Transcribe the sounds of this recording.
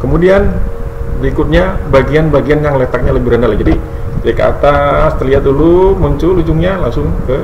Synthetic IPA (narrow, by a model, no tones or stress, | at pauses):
kəmudianbəɾikʊt̪̚ɲabaɡianbaɡianjaŋlet̪ak̚ɲaləbɪɾandalahd͡ʒadi | d͡ʒaka̰t̪ast̪ərliɦat̪̚dulumuɲt͡ʃʊlud͡ʒʊŋɲalaŋsʊŋkə